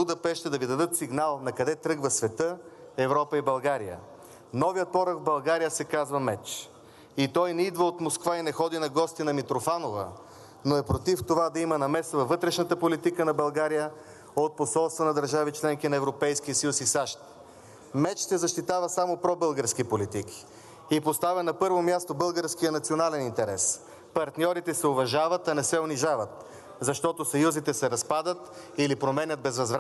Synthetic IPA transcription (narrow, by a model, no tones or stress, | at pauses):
ʊd̪ɐpɛʃt̪ɛd̪ɐvid̪ɐd̪ɤt̪siɡnalˠnɐkɐd̪ɛt̪ɾɤɡvəsvɛt̪ɤ | ɛvɾɔpəibɐlˠɡaɾijə̰ | nɔviət̪̚pɔɾəɡvbɐlˠɡaɾijəsɛkazvəmɛt͡ʃ | it̪ɔjnɛid̪vəot̪moskvainɛxɔd̪inɐɡɔst̪inɐmit̪ɾofanovə̰ | noɛpɾot̪ift̪ovad̪ɐimənɐmɛsəvɐvːɤt̪ɾɛʃnət̪əpolit̪ikənɐbɐlˠɡaɾijə | ot̪̚posɔlˠst̪vɐnɐd̪ɐɾʒavit͡ʃlɛŋkinɐɛvɾopɛjsk̟ijəsɐjusisaʃt̪̚ | mɛt͡ʃt̪ɛzɐʃt̪it̪avəsamopɾɔbɤlˠɡəɾskipolit̪iki̥ | ipost̪avɛnɐpɤɾvomjast̪obɤlˠɡəɾskijənɐt̪sʲionalɛnint̪ɛɾɛs | pɐɾt̪nʲjɔɾit̪ɛsɛovɐʒavət̪ɐnɛsɛʊniʒavət̪̚ | zɐʃt̪ɔt̪osɐjuzit̪ɛsɛɾɐspad̪ət̪ilipɾomɛnʲət̪̚bɛzvɐzvɾ